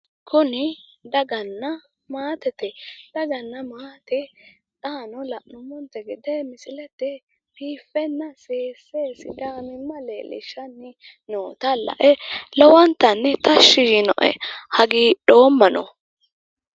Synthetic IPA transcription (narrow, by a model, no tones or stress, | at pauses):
kʊnɪd̪ɐɡɐnːɐ | maːt̪ɛt̪ɛd̪̥ɐɡɐnːɐmaːt̪ɛ | taːnɔlɐʔnʊmɔnt̪ɛɡɪd̪ɛmɪsɪlɛt̪ːɛ | piːfːɛnːɐseːseːsɪ̰d̪aːnɪmːɐlḛːlɪ̰ʃɐnːɛ | noːt̪ɐlɐ̰ʔɛlɔwɐnt̪ːɐnːɛt̪ɐʃːɪjɪnɔ̰ʔɛ̰hɐɡiːɗo̞ːmːɐnɔ̰